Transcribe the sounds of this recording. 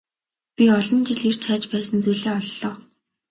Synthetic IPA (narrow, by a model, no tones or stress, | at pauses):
pʲiɔɮɞ̆nt͡ɕiɮer̥t͡ɕʰaːt͡ɕpæːsə̆nt͡sujɮeːɔɮːɔː